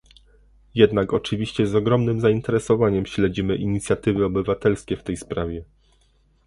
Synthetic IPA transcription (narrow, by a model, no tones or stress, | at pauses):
jɛd̪nakɔt͡ʂɘvʲiɕt͡ɕɛzɔɡɾɔmnɘmzaint̪ɛɾɛsɔvaɲɛmɕlɛd͡ʑimɘʔiɲit̪sʲjat̪ɘvɘɔbɘvat̪ɛlskʲɛft̪ɛjspɾavʲjɛ